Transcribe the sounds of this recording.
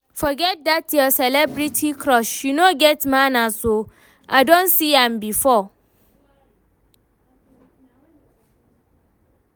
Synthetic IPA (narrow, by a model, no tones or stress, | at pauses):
fɔɡɛt̚datjɔsɛlɛbɾitʰikʰɾɔʃjunoɡɛtmãnaso | ʔadõnsiãmbifɔ